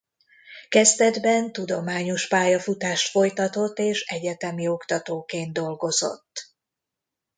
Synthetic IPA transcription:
kɛzt̪ɛd̪bɛnt̪ud̪o̞maːɲo̞ʃpaːjɒfut̪aːʃt̪fo̞jt̪ɒt̪o̞t̪ːeːʃɛɟɛt̪ɛmio̞kt̪ɒt̪oːkeːnt̪d̪o̞lɡo̞zo̞̰t̪ː

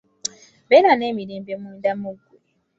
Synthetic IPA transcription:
βeːɾane̞ːmiɾeːmbemwuːndamuɡu

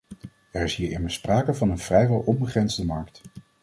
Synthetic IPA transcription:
ɛɹɪsɦiːɹɪməɹspraːkəvɑnənv̥rɛjʋɛlˠɔmbəχrɛnzdəmɑɹkt

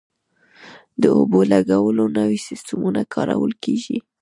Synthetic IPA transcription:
d̪əobolaɡawəlonəwisɪstəmunakʰɑɾawəlkeʒi

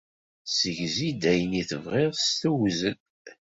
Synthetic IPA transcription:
səʝzid̪æjəniθəvʁɪʁst̪uwzən

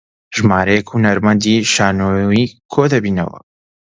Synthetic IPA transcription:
ʒmaːɾɛjɛkhunɐɾmɐnd̪iʃaːnoikʰoːd̪ɐbiːnɐ̰wɐ̰

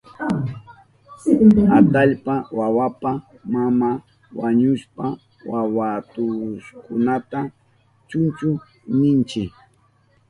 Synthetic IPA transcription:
at̪aʎpawawapa | mama | waɲʊʃpa | wawat̪ʊʃkʊnat̪a | t͡ʃʊnt͡ʃʊ | nɪnt͡ʃɪ

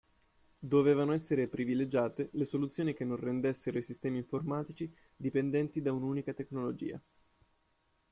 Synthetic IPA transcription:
d̪oveːvanoɛsːeɾepɾiviled͡ʒaːt̪elesolut̪sːjoːnikenːõnrend̪esːeɾoisist̪ɛːmiːɱformaːt̪it͡ʃi | d̪ipend̪ɛnt̪id̪aunuːnikat̪eknolod͡ʒḭːa̰

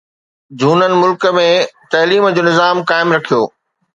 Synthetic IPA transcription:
d͡ʑʱuːnənɪ̆mʊlkəmẽt̪ɐːliːmd͡ʑoːnɪzaːmkaːɪmɾɐkʰijo̰ː

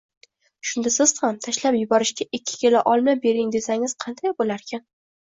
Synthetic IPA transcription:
ʃʊnd̪asɪz̥χamt̪ʰaʃlapjʊbɒɾɪʃɡʲaʔɪkʲʰːɪ̥kʲʰe̞laʔɒlˠmabe̞ɾɪŋd̪e̞saŋʲɪz̥qʰɑnd̪ajbolaɾkʲʰan

